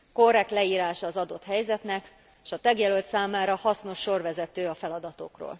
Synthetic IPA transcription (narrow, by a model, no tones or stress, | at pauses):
ko̞rːɛk̚t̪lɛiːɾaːʃɒːzɒd̪o̞t̪hɛjzɛt̪nɛkː | ʃɒt̪ɛɡjɛlølt̪saːmaːɾɒhɒsno̞ʃːo̞rvɛzɛt̪øːɒfɛlɒd̪ɒt̪o̞̰kro̰ːl